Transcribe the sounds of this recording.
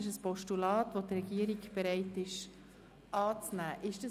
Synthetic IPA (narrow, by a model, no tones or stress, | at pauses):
ɪʃəspɔʃtulɑːtʋodrɛɡ̥iəɾiɡb̥ɛɾɛɪtɪʃ | ʔɑːt͡snæːʔɪʃd̥ə